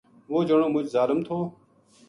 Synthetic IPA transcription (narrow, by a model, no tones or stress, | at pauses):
ʋoːd͡ʒəɳoːmʊd͡ʒzaːləmt̪ʰoː